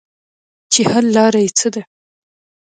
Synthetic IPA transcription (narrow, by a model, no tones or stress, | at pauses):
t͡ʃehalːɑɾajt͡səd̪a